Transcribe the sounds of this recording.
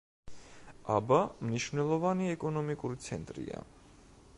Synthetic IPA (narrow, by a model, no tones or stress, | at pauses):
abamniʃvnɛlˠɔvaniɛkʼɔnɔmikʼuɾit̪sʰɛnt̪ʼɾḭa̰